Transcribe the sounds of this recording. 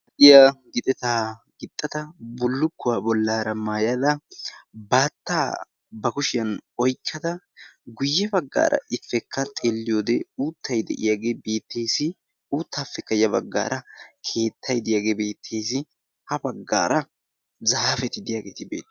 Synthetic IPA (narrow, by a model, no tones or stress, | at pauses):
ɐʔɪjaɡɪt̪ʼɛt̪aːɡɪt̪ʼːɐt̪ɐbʊlːʊkːʊwaːbɔlːaːɾɐmaːjad̪ɐ | baːt̪ːaː | bɐkʊʃɪjɐnɔjkʰːɐd̪ɐ | ɡʊjːɛbɐɡːa̰ːɾʔɐ̰ʔɪfːɛkːɐt̪ʼeːlːɪjoːd̪ɛuːt̪ːɐjd̪ɛ̰ʔɪ̰jaːɡe̞ːbe̞ːt̪ːe̞ːsɪ | uːt̪ːaːfːɛkːɐjɐbɐ̰ɡːa̰ːɾʔɐkʰe̞ːt̪ʰːɐjd̪ɪjaːɡeːbe̞ːt̪ʰːe̞ːs̬ɪ | hɐbɐɡːa̰ːɾɐ | zahfɛt̪ɪd̪ɪjaːɡe̞ːt̪ɪbeːt̪ː